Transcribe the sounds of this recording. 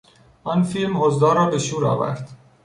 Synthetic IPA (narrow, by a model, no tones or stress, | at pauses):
ʔɒːnfilmhozd̪ɒːɾɒːbe̞ʃuːɾɒ̰ːvæ̰ɾd̪̥